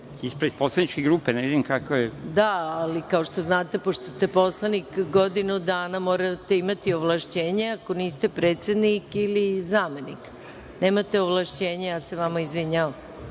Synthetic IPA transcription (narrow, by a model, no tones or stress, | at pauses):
ispɾed̪̥poslˠanit͡ʃkeɡɾuːpeneʋid̪imkakojed̪aalikao̞ʃt̪o̞znaːt̪e̞po̞ʃt̪ost̪epo̞slˠanikɡo̞d̪inud̪aːnamoːɾat̪e̞imat̪ioʋlˠaʃt͡ɕe̞ːɲeako̞niːst̪e̞pɾeːt̪se̞d̪nikilizaːme̞nik | neːmat̪e̞oʋlˠaʃt͡ɕeːɲejaːseʋamaizʋiɲaʋam